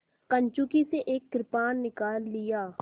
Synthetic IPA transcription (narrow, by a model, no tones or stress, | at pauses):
kə̃ɲt͡ʃukiseʔeːkːɾɪpaːnːɪkaːlːɪjaː